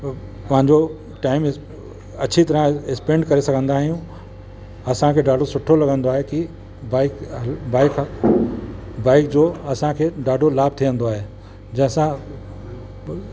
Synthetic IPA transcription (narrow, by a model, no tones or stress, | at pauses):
pɐɦɪ̃ɲd͡ʑo | ʈaːɪm | ɐt͡ɕʰit̪ɐɾə̃ɪkspẽːɳɖkɐɾesɐɡʱə̃nd̪aːɦijũ | ɐsãkʰeːɖaːɖʱosʊʈʰolɐɡə̃nd̪oaːɦeki | baːɪkbaːɪk | baːɪkd͡ʑoːɐsãkʰeːɖaːɖʱolaːb̚t̪ʰiʋə̃nd̪oaːɦe | d͡ʑɐ̃ɦɪ̃sã